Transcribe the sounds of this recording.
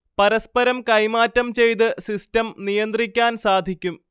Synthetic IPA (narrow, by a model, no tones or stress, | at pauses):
pɐɾɐspɐɾɐmkɐjmaːtːɐmt͡ɕe̞jt̪̬ɨsistɐmnijɐnd̪rikʲːaːnsaːd̪ʱikʲːum